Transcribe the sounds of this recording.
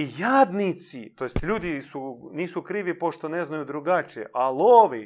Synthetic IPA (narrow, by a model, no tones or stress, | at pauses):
ijaːd̪nit̪sit̪ojest̪ʎʲuːd̪isuniːsukɾiːʋipo̞ʃt̪oneznajud̪ɾuɡat͡ʃḛʔalˠoʋi